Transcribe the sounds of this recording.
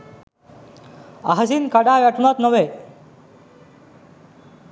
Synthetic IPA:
aɦd͡zinkaɽaʋjaʈunat̪nəʋe

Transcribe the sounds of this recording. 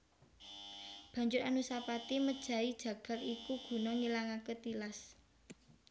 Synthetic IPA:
b̥ä̤ɲd͡ʒʊɾanusapat̪iməd̥ʒ̥ä̤id̥ʒ̥ä̤ɡ̥a̤likuɡ̥ṳnɔŋilaŋaket̪ilas

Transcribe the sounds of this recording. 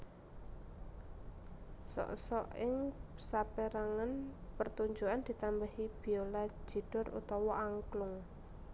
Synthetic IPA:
sɔ̰ʔsɔʔɪŋsapeɾaŋanpərt̪uɲd͡ʒuand̪̥i̤t̪ambəhib̥i̤olḁd͡ʒʒ̥i̤d̥ɔ̤rṵt̪ɔwɔʔaŋklʊŋ

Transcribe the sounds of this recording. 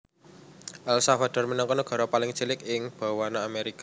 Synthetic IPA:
ʔalsafad̥ɔ̤rmənaŋkɔnoɡ̥a̤ɾɔpalɪŋt͡ʃilɪkɪŋb̥a̤wanaːmeɾika

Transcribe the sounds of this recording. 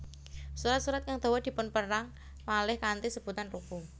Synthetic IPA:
suɾat̪̚suɾat̪̚kaŋd̪̥o̤wɔd̪i̤pʊnpəɾaŋ | palɪhkant̪isəb̥ṳt̪anruku

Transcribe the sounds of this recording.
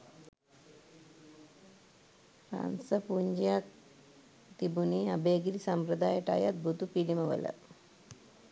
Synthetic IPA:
ɾa̰nsəpuɲd͡ʒijak̚ | t̪ibuniɐbeːɡiɾisampɾəd̪aːjəʈa̰jat̪̚bʱut̪upiliməʋə̰lə̰

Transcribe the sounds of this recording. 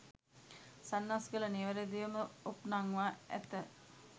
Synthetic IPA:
sanːasɡəlɐniʋəɾed̪iʋəməopnaŋʋaːæ̰t̪ə

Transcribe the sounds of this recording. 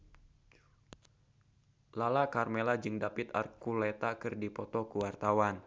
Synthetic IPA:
lalakarmelad͡ʒɨŋdapɪt̪a̰rkulɛt̪akɨrdipɔt̪ɔkuwart̪awan

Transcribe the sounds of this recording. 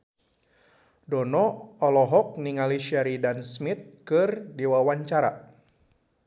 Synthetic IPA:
dɔnɔɔlɔɦɔk̚niŋaliʃaɾidansmit̪̚kɨrdiwawaɲt͡ʃaɾa̰

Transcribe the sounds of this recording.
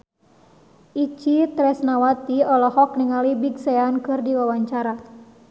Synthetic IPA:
ʔit͡ʃit̪ɾɛsnawat̪iɔlɔhɔk̚niŋalibiɡsɛjankɨrdiwawaɲt͡ʃaɾa

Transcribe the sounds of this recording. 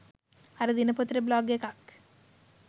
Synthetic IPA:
ɐɾɐd̪inɐpot̪ɾeblaːɡekak

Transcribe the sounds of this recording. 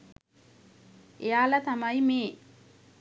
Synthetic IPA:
ejaːlat̪amajmeː

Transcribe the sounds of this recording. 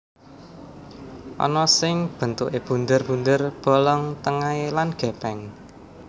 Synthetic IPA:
ʔɔ̰nɔsɪŋb̥ə̤nt̪uʔeb̥ṳnd̪ərb̥und̪ərb̥ɔ̤lɔŋt̪əŋaelanɡ̥ɛ̤pɛŋ

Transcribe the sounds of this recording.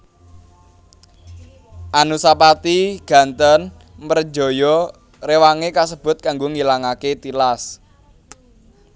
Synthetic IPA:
ʔanusapat̪iɡ̥ä̤nt̪ən | mər̥d͡ʒɔ̤jɔ | rewaŋekasəb̥ʊ̤t̪̚kaŋɡoŋilaŋaket̪ilas

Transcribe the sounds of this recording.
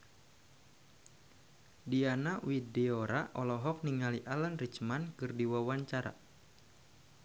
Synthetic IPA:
dianawideoɾaʔɔlɔɦɔk̚niŋaliʔalənrit͡ʃmankɨrdiwawaɲt͡ʃaɾa̰

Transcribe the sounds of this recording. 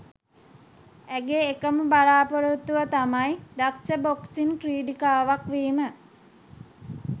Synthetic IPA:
æɡeːkəmubaɾaːpoɾut̪ːuʋət̪amajdaksəboksinkriːɖikaːʋakʋiːmə

